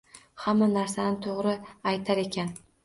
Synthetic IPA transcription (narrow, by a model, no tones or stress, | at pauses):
hamːanaɾsanɪt̪ʰoʁɾɪajt̪ʰaɾe̞kʲʰan